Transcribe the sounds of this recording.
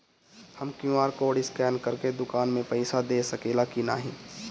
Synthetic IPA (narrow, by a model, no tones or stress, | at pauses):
hɐmkjũaːɾkoːɽɪskɛːnkəɾked̪ʊkaːnmẽpɛɪsad̪eːsɐkeːlakina̰ːɦĩː